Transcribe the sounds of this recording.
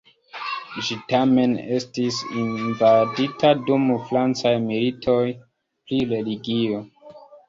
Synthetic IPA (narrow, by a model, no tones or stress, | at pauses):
ʒitame̞ne̞stisinvaditʰadumfɾant͡sajmilitʰo̞j | pɾiɾe̞liɡio̞